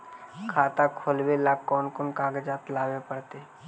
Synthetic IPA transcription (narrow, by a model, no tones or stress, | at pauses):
kʰaːt̪akʰoːlwelaːkːɔːnkɔːnkaːɡd͡ʒaːt̪laːwepəɽt̪eː